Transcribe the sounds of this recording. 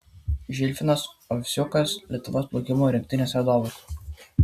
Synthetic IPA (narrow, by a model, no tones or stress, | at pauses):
ʒʲɪlʲfʲɪnɐsɔfʲsʲʊkɐslʲɛt̪ʊʋoːsplˠɔʊkʲɪmoːɾʲɛŋʲk̚ʲt̪ʲɪnʲeːsʋʲɛd̪oːʋɐs